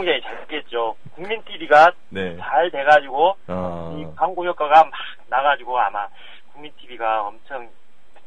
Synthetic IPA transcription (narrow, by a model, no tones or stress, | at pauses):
ŋd͡ʑeit͡ɕaɭk͈et̚t͡ɕ͈okuŋmintʰibiɡa | net͡ɕaɭte̞ɡad͡ʑiɡoikaŋɡojʌk͈aɡamak̚naɡad͡ʑiɡoama | kuŋmintʰibiɡaʌmt͡ɕʰʌŋ